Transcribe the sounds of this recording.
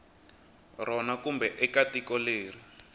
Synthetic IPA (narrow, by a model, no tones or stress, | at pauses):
rɔnakumbɛʔɛkatikɔleːri